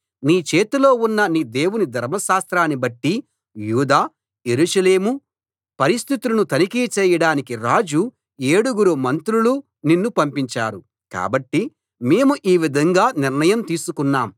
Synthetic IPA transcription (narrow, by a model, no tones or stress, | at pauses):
niːt͡ʃeːt̪ulo̞ːunːɐniːd̪e̞ːwunid̪ʱɐɾmɐʃaːst̪ɾaːnibɐʈːi | juːd̪aː | je̞ɾuːʂɐle̞ːmu | pɐɾist̪ʰit̪ulɐnut̪ɐnikit͡ʃɛːjɐɽaːnikiɾaːd͡ʒu | eːɽuɡuɾumɐnt̪ɾulu | ninːupɐmpiɲt͡ʃa̰ːɾu | ka̰ːbɐʈːi | me̞ːmuʔiːʋid̪ʱɐŋɡaːniɾnɐjɐmt̪iːsukunːaːm